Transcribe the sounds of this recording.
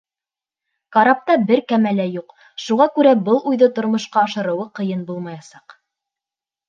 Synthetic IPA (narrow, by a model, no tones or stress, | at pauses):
kɑɾɑp̚t̪ɑbɘɾkæmælæjuq | ʃuʁɑkʉɾæbɤlˠʔujðɤt̪ŏɾmŏʃqɑɑʃɤ̆ɾɤ̆wɤqɤ̆jɤnbulˠmɑjɑsɑq